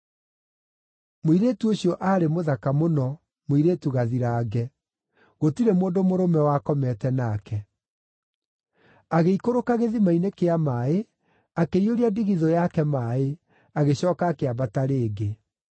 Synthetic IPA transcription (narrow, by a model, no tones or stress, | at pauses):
moiɾeːtuoɕjɔʔaːɾemoðakamonɔ | moiɾeːtuɣaðiɾaːɡɛ | ɣotiɾemoːndomoɾomɛwakɔmɛtɛnaːkɛ | aɣeikoɾokaɣeðimainekeamaːe | akeioɾiadiɣiðɔjakɛmae | aɣeɕɔːkaːkeabataɾeːɡe